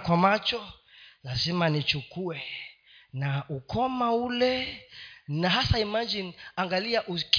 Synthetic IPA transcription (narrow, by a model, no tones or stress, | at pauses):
kwamat͡ʃɔ | lazimanit͡ʃukuɛ | naukɔmaulɛ | naɦasaimad͡ʒinaŋɡaliaʔuk